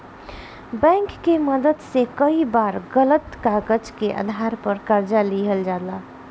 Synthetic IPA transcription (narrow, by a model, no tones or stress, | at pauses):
bɛ̃ːŋkːeməd̪əd̪sekəibaːɾɡələt̪kaɡəd͡ʒkeʔa̰d̪ʱaɾpəɾkəɾd͡ʒaliɦəld͡ʒaːd̪laː